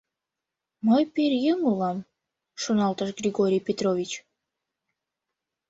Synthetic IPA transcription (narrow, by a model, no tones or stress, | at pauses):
mojpeɾjəŋulɑm | ʃunɑlt̪əʃɡrʲiɡoɾʲijpet̪rovʲit͡ɕ